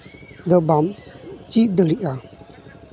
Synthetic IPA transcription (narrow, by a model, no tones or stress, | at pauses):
d̪əbamt͡ɕid̪əɾiʔa